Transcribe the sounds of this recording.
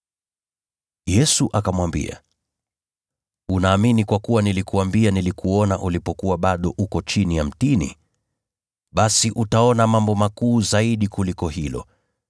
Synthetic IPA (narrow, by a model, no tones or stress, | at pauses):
jɛsuʔakamwambḭa̰ | unaːminikwakuwanilikuambianilikuɔnaʔulipɔkuwaɓaɗɔʔukɔt͡ʃinijam̩tinḭ | ɓasiʔutaɔnamambɔmakuːzaiɗikulikɔɦilɔ̰